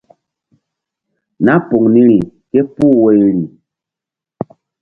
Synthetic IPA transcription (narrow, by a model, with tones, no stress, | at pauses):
na˦po˨ŋni˦ɾi˨ke˦pu˦˨we˦jɾi˨